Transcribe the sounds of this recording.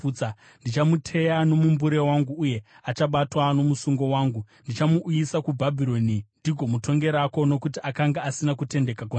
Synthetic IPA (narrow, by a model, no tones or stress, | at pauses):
ua | ndit͡ʃamutʰe̞jano̞mumbuɾe̞waŋɡuːje̞ | at͡ʃaɓatwano̞musuŋɡo̞waːŋɡu | ndit͡ʃamuʔːjisakubʱabʱiɾo̞nindiɡʱo̞muto̞ŋɡe̞ɾako̞no̞kutiʔakaŋɡaasinakute̞nde̞kakwo